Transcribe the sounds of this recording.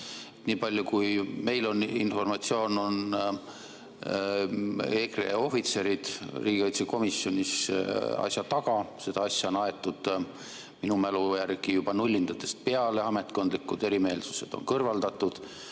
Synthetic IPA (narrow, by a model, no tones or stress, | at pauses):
et̪niːpɑlʲjukujme̞jlo̞ninfo̞rmɑt̪sio̞ːno̞n | eːkrḛo̞fit̪se̞ɾid̪̥riːɡ̥iɑjt̪seko̞misːjo̞nʲisɑ̰sjɑt̪ɑɡɑse̞d̪̥ɑɑsʲːjɑonɑe̞t̪ːˑud̪̥ | minumælujærɡ̥ijub̥ɑnulʲːind̪̥ɑt̪ːe̞st̪̚pe̞ɑleɑme̞t̪ˑko̞nd̪likːˑud̪̥e̞ɾime̞ːlsu̥se̞d̪̥o̞̰nkɤrvɑld̪̥ɑt̪ːˑud̪̥